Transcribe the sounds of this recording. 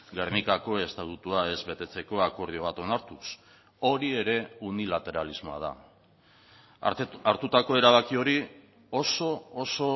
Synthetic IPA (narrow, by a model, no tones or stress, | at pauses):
ɡernikako̞e̞st̪at̪ut̪uae̞zβe̞t̪e̞t͡se̞ko̞ako̞ɾðio̞βat̪o̞naɾt̪us | o̞ɾie̞ɾe̞unilat̪e̞ɾalizmo̞a̰ð̞a̰ | aɾt̪ut̪ako̞e̞ɾaβakio̞ɾi | o̞so̞oso̞